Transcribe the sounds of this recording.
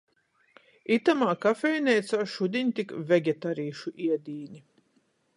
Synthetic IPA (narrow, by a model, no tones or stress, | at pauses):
it̪amaːkafʲɛjnʲɛjt̪saːʃud̪ʲiɲʲt̪ikvʲɛɡʲɛt̪aɾiːʃuʔiɛd̪ʲiːnʲi